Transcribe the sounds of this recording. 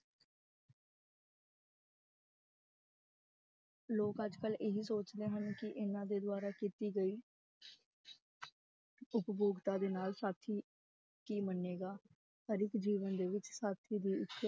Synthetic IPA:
loːkəd͡ʒkəlʔeɦiːsoːt͡ʃd̪eːɦənkɪʔɪnãːd̪eːd̪ʊaːɾaːkiːt̪iːɡəiː | ʊpboːɡt̪aːd̪eːnaːlsaːt̪ʰiː | kiːmənːeːɡaː | p̪əɾɪkd͡ʒiːʋənd̪eːʋɪt͡ʃsaːt̪ʰiːd̪iːɪtʰː

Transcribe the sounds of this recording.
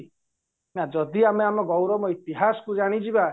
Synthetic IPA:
nad͡ʒɔd̪iameamɔɡɔwɾɔmɔit̪iɦasɔ̥kud͡ʒaɽ̃id͡ʒiba

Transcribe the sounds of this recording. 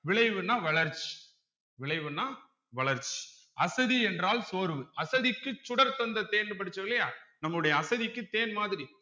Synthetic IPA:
ʋɪɭɐɪʋɯnːaːʋɐɭɐɾt͡ʃːi̥ | ʋɪɭɐɪʋɯnaː | ʋɐɭɐɾt͡ʃːi̥ | ʔɐsɐðiɛndraːlsoːɾɯʋɯɐsɐðɪkːɯt͡ʃːʊɽɐɾt̪ɔnd̪ɐt̪eːnːɯp̬ɐɽɯt͡ʃːɐʋɪlːɐjaːnɐmːɭɯɽɐjɐːsɐðikːɯt̪eːnmaːðɪɾi

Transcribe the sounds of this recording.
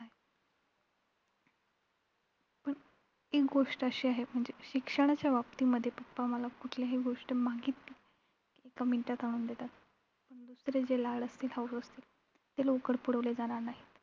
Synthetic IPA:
aɦe | pəɳ | ekɡoʂʈəəɕiːaɦem̤əɳd͡zeɕikʂəɽ̃at͡ɕjaʋapt̪iːməd̪ʱːjepəpːaməlakuʈʰljaɦiɡoʂʈəmaɡiːt̪i | ekaminʈat̪aɽ̃uːnd̪et̪at̪̚ | pəɳd̪usɾed͡zelaɭəst̪iːlɦausəst̪iːl | t̪elokəɽpuɽ̤əʋled͡zaɽ̃aɾnaɦit̪

